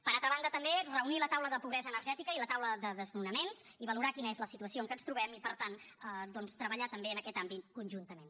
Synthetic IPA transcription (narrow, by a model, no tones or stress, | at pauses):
pəɾalˠt̪ɾəβand̪ət̪əmberəunilət̪awləðəpuβɾɛzəːnəɾʒɛt̪ikəilət̪awləðəðəznunəmenziβəluɾakinəezləsit̪uəsioŋkənst̪ɾuβɛmipəɾt̪anəd̪ɔnst̪ɾəβ̞əʎat̪əmbeənəkɛt̪ambit̪kunʲʒunt̪əmen